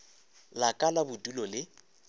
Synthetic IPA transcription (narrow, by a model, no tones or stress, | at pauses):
lakʼalabʊtʼulɔlɪ